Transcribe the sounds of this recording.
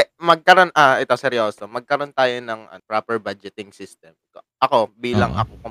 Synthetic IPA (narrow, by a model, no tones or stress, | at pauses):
ɛmɐɡ̚kɐɾo̞nʔaʔɛt̪osɛɾjoːsomɐɡ̚kɐɾo̞nt̪aːjo̞nɐŋɐ̰pɾaːpɛɹbad͡ʒɛt̪ɪŋsist̪ɛmkoʔɐko̞biːlɐ̰ŋʔɐ̰kokɐ